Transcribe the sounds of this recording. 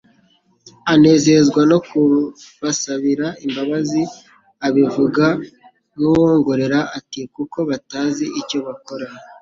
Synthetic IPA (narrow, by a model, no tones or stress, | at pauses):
ane̞ːze̞zɡwano̞kuβasaβiɾaimbaβazi | aβivuɡa | nuwo̞ːŋɡo̞ɾe̞ɾaʔatikuko̞βataːziʔico̞βako̞ɾa